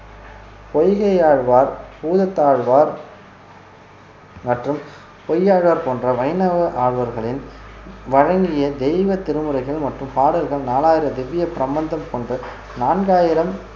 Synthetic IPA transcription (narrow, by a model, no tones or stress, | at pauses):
pɔjɣɐjaːɻʋaːɾpuːðɐt̪ːaːɻʋaːɾ | mɐʈrɯm | pɔjːaːɻʋaːɾpoːndrɐʋɐɪnɐʋɐʔaːɻʋɐɾɣɐɭɪnʋɐɻɐŋɡɪjɐd̪ɛjʋɐt̪ːɪɾɯmɯrɐɪɣɐɭmɐʈrɯmpaːɽɪlɣɐɭnaːlaːjɪɾɐd̪ɛʋːɪjɐpɪɾɐmbɐnd̪ɐmkɔndrɐ | naːnɡaːjɪɾɐm